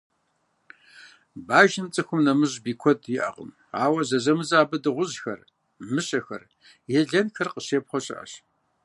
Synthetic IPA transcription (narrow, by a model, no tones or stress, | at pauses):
baːʒɪmt͡sʼɨxʷʊmnɐmɨʑbiːkʷʰɔdjɪʔɐ̰ʁə̰m | aːwɐzɐzɐmɨzaːbɨdɨʁʷʊʑxɐ̰r | mɨɕʼɐxɐ̰r | jɛɮɐnxɐrqəɕeːpχʷɔɕʼɪ̰ʔɐ̰ɕ